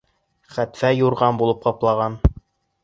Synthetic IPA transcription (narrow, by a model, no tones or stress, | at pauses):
χæt̪fæjuɾʁɑnbulˠɤp̚qɑplˠɑʁɑn